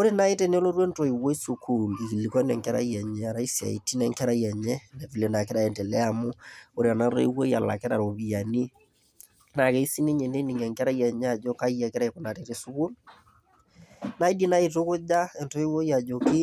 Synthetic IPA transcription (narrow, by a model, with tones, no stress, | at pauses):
o˦ɾe˦na˦e˦te˦ne˦lo˦ɾwe˦nto˨i˨wo˦i˦su˨kʰu˨li˨ki˨li˨kɔ˦nɛ˨ŋkɛ˦ɾa̰˦i˦ɛ˨ɲɛ˦a˨ɾa˦i˦sia̰˨i˨ti˦nɛ˦ŋkɛ˦ɾa˦iɛ˨ɲɛ˦nɛ˨vi˨le˨na˨kɪ˦ɾa˨ɛ˨ntɛ˨lɛ˦a˨mʊ˦o˦ɾe˦a˨na˦ɾḛ˦i˦wo˦ja˨la̰˨kɛ˦ɾa̰˨ɾo˨βi˨a˨ni˦ | na˨kɛ˨˦i˦si˦ne˦ɲɛ˨ne˦ni˨ŋɡɛ˨ŋkɛ˦ɾa˦i˦ɛ˨ɲɛ˦a˨d͡ʒɔ˦ka˦ja˨kɪ˦ɾa˦˨ko˨na˨te˦ɾe˦su˦ku˦l | na˦i˦di˦na˦i˨to˦kʊ˦d͡ʒa˦ɛ˨nto˦i˦wo˦ja˨d͡ʒo˨kɪ˦